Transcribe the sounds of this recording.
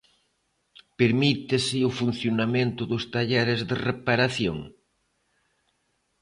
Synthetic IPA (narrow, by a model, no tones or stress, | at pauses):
peɾmit̪ɪsɪʊfun̟θjonamẽnt̪ʊðʊst̪aʎɛɾɪzðerepaɾaθjo̰ŋ